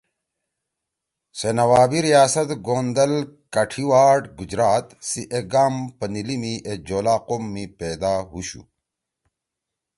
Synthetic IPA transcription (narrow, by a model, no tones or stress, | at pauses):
senɐwaːbiɾijaːsɐt̪ɡoːnd̪ɐlkɐʈʰiwaːʈɡud͡ʑɾaːt̪siʔeɡaːmpɐnilimiʔed͡ʑoːlaːqomːipeːd̪aːɦuɕṵ